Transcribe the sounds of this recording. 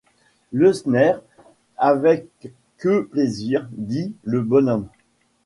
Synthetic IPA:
ləsnɛʁ | avɛkː | əpleziʁd̪iləbɔnɔm

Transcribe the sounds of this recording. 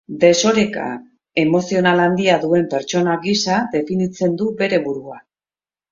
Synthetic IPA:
d̪e̞so̞ɾe̞ka̰ | e̞mo̞sio̞naland̪iaðue̞mpe̞ɾt͡ʃo̞naɡisad̪e̞finit͡se̞nd̪ube̞ɾe̞βuɾua

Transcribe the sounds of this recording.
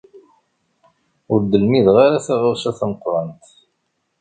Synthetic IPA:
ʊɾd̪əlmiðʁaɾaθæʁaɾsæθaməqɾˤɑnt̪

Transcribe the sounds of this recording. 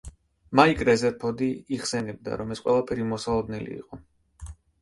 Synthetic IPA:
maikʼɾɛzɛɾpʰɔd̪iːχsɛnɛb̚d̪a̰ɾɔmɛsqʼwɛ̰lˠapʰɛɾimɔsalˠɔd̪nɛlḭḭqʼɔ

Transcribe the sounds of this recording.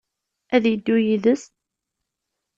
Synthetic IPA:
æðjəd̪ːujiðəs

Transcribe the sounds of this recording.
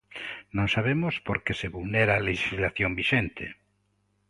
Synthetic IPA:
nõŋsaβ̞emospoɾkeseβulneɾaleʃizlaθjombiʃent̪ḛ

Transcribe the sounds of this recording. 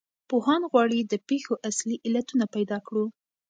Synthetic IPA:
pohɑnɣwɑɽid̪əpexoʔasliʔɪlat̪unapajd̪ɑkɽu

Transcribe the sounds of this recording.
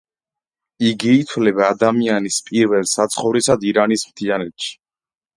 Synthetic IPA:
iɡiːt̪ʰwlɛbaːd̪amianispʼiɾvɛlˠsat̪sʰχɔvɾisad̪iɾanismt̪ʰianɛt̪ʃi̥

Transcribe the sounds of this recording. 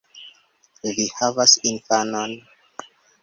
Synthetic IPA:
vihavasinfanon

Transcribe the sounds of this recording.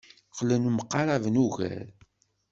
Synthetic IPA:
χlənuməqːɑɾˤavnuʝæ̰ɾ

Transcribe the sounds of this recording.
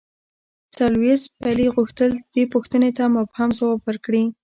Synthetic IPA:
t͡salwet̪̚paliɣuxt̪əld̪̥epʊxt̪ənet̪amʊbhamzawɑbwəɾkɽi

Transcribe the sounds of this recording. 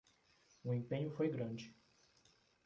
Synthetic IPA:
ʊẽpẽɲʊfojɡɾɐ̃d͡ʒɪ

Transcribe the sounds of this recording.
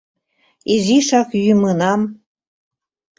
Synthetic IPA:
iziʃɑkjymɤnɑm

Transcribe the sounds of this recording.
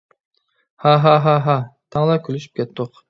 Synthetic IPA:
haɦaɦaɦat̪ʰɑŋlˠɑkʲʰylyʃy̥p̚kʲʰɛt̪ːʊq

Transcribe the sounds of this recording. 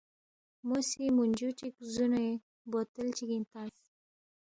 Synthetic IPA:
mosimunʲd͡ʒut͡ʃikzunoe | bot̪əlt͡ʃiɡint̪as

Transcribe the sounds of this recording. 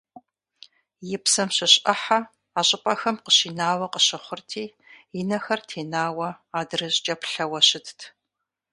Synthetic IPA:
jɪpsɐmɕɐɕʼɐħa | aːɕʼɪpʼɐxɐmqəɕiːnaːwɐqəɕɪχʷʊrtʰiː | jɪnɐxɐrtʰeːnaːwɐaːdɨrɨʑd͡ʒʼɐpɬɐwɐɕɪtʰtʰ

